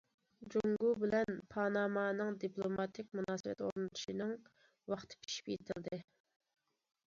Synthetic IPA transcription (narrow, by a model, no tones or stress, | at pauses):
d͡ʒuŋɡubɪlɛnpʰɑnɑːmɑːnɨŋd̪iplˠomɑt̪ʰɪk̚ʲmunɑːsɨwɛ̰t̪o̰ɾunɨt̪ʰu̥ʃinɨŋ | wɑχt̪ʰɨ̥pʲʰi̥ʃi̥pjḛt̪ʰɪld̪ɪ